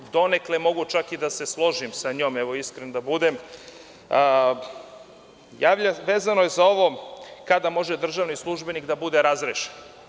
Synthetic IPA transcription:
d̪o̞ne̞klemo̞ɡut͡ʃakid̪ase̞slˠo̞ʒimsaɲoːmeʋoiskɾenod̪abud̪em | jaːʋʎaʋeːzano̞jezao̞ʋo̞kad̪amo̞ʒed̪r̩ʒaʋnislˠuʒbe̞nikd̪abud̪e̞ɾazɾeʃen

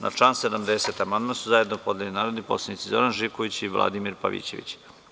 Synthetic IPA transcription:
na̰t͡ʂaːnsed̪amd̪eset̪amand̪masuzaje̞d̪nopo̞d̪ljelinaːɾod̪nipo̞̰slanit̪sizo̞ɾanʒikoʋit͡ɕiʋlˠʔa̰d̪imiɾpa̰ʋḭːt͡ɕeʋḭt͡ɕ

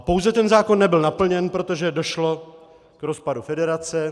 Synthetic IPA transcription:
po̞wzɛt̪ɛnzaːko̞nːɛbɪlnapl̩ɲɛnpɾo̞t̪oʒɛdo̞ʃlo̞ | kɾo̞spadufɛdɛɾat͡sɛ

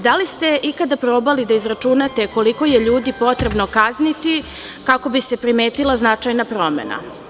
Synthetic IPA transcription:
d̪alist̪e̞ʔikad̪apɾoːbalid̪aizɾat͡ʂunat̪e̞ko̞liko̞je̞ʎuːd̪ipo̞t̪ɾe̞bnokaznit̪i | kako̞bise̞pɾime̞ːt̪ilˠaznat͡ʃajnapɾo̞mḛna̰

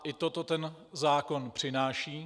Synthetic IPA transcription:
ʔɪt̪ot̪o̞t̪ɛn | zaːko̞npr̝̥ɪnaːʃiː

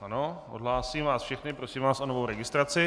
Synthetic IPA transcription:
ʔanoʔodɦlaːsiːmvaːsfʃɛxnɪpɾosiːmvaːsʔonovowɾɛɡɪst̪ɾat͡sɪ

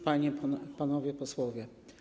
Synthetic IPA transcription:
paɲɛp̪panɔvʲjɛpɔswɔvʲjɛ

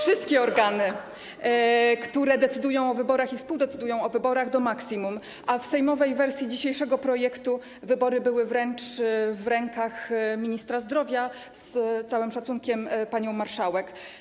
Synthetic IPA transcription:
fʂɘst̪kʲɛɔɾɡanɘ | kt̪uɾɛd̪ɛt̪sɘd̪ujɔ̃w̃ɔvɘbɔɾaxifspuwd̪ɛt̪sɘd̪ujɔ̃w̃ɔvɘbɔɾaɣd̪ɔmaksʲimum | ʔafsɛjmɔvɛjvɛɾsʲjid͡ʑiɕejʂɛɡɔpɾɔjɛkt̪u | vɘbɔɾɘbɘwɘvɾɛnt͡ʂvɾɛŋkaxmʲiɲist̪ɾazd̪ɾɔvʲja | st̪sawɘmʂat̪suŋkʲɛmpaɲɔ̃w̃maɾʂawɛk

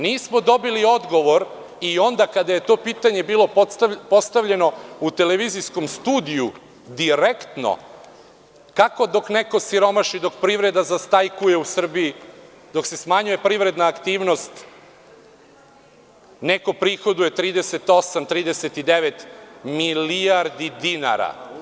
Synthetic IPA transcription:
niːsmo̞d̪o̞bilio̞d̪ɡo̞ʋo̞ɾ | io̞nd̪akad̪aje̞t̪o̞piːt̪aɲe̞biːlˠo̞ppo̞st̪aʋʎe̞no̞ut̪eleʋizisko̞mst̪uːd̪iju | d̪iɾekt̪no̞̰ | kako̞d̪o̞kneko̞siɾo̞maʃid̪o̞kpɾiʋɾe̞d̪azast̪ajkuje̞usr̩bii | d̪o̞kse̞smaɲuje̞pɾiʋɾe̞d̪naːkt̪iːʋno̞st̪ | neko̞pɾixo̞d̪uje̞t̪ɾiːd̪e̞se̞t̪o̞samt̪ɾiːd̪eset̪id̪eʋet̪miliaɾd̪id̪ina̰ɾa̰

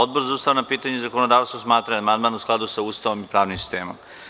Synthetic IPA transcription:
od̪̚boɾzauːst̪aʋnapiːt̪aɲezakonod̪aːʋst̪ʋosmaːt̪ɾaamand̪maːnusklˠad̪usauːst̪aʋo̞mipɾaːʋnimsi̥st̪eːmo̰m

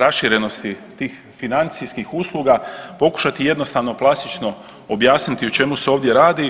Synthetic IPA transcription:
ɾasʃiɾe̞no̞st̪it̪iːx | finant̪siskixuːslˠuɡapo̞ku̥ʃat̪ije̞d̪no̞st̪aʋno̞plˠast̪it͡ʃno̞ | objaːsnit̪iut͡ʃe̞museo̞ːʋd̪jeɾaːd̪i

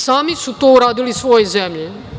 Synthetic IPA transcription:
saːmisut̪ouɾaːd̪ilisʋo̞jezemʎe

